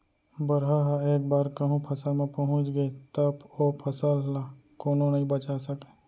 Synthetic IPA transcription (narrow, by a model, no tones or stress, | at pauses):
bəɾɦaɦaeːk̚baːɾkəɦũpʰɐsamẽpɐɦʊ̃t͡ʃɡəet̪əboːpʰɐsəllakoːnõnɐɦĩbɐt͡ʃasəke